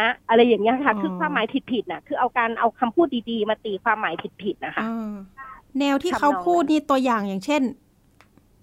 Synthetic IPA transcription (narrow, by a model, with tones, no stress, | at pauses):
a˦˥ʔa˧ɾa˧jːaː˨˩ŋːni˦˥ɐ˧kʰa˦˥˩kʰɯː˧kʰwaː˧mːaː˨˦jp̪ʰi˨˩t̪̚pʰi˨˩t̪̚na˨˩kʰɯː˧ʔa˧wkaː˧nʔa˧wkʰa˧mpʰuː˥˩t̪̚diː˧diː˧maː˧t̪iː˨˧kʰwaː˧mːaː˨˩˦jp̪ʰi˨˩t̪̚pʰi˨˩t̪̚na˦˥kʰa˦˥ʔː | nɛː˧wt̪ʰiː˥˩kʰa˦˥wpʰuː˥˩t̪̚niː˥˩t̪u˧ɐjaː˨˩ŋjaː˨˩ŋt͡ɕʰe˥˩n